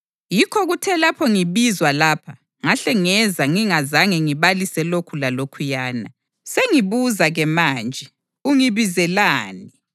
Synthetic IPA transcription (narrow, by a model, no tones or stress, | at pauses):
jikʰɔɣutʰɛlapʰɔŋiβizwalaːpʰa | ŋaɬɛŋɛzaŋiŋazaŋɛŋiβalisɛlokʰulalokʰujaːna | seŋiβuzaɣɛmaːnd͡ʒʱɛ | uŋiβizɛlaːni